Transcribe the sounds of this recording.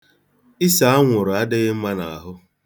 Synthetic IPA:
ɪ˦sa˨a˦ŋʷʊ˨ɾʊ˨a˦dɪ˦ɣɪ˦m̩˦ma˦na˨a˨ɦʊ˦

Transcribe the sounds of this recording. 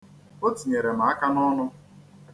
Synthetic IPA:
o˦ti˨ɲe˨ɾe˨ma˨˦a˦ka˦nɔ˦nʊ˦

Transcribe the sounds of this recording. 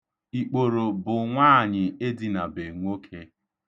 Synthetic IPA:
i˨k͡po˨ɾo˨bʊ˨ŋʷaː˦˨ɲɪ˨e˦dɪ˦˨na˨be˨ŋʷo˦kʰe˦

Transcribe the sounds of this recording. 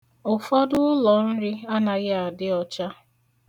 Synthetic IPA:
ʊ˨fɔ˦dʊ˦ʊ˦lɔ˨n̩˦ɾi˦a˦na˨ɣɪ˦a˨dɪ˦ɔ˨t͡ʃa˦

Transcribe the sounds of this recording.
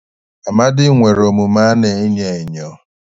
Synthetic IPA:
a˨ma˦dɪ˦ŋʷe˨ɾo˨mu˨ma˦ne˨e˦ɲe˨e˨ɲɔ˨

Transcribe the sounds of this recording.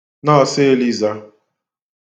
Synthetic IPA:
nɔ˦ɔ˨sɪ˦li˦za˦

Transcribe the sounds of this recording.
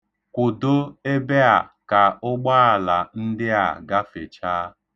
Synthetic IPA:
kʷʊ˨do˦e˦be˦a˨ka˨ʊ˦ɡ͡ba˦a˨la˨n̩˦dɪ˦a̰˨ɡa˦fe˨t͡ʃaː˦

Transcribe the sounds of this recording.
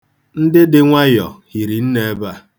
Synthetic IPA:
n̩˦dɪ˦dɪ˦ŋʷa˦jɔ̰˨hi˨ɾi˨n̩˦ne˦ba˦

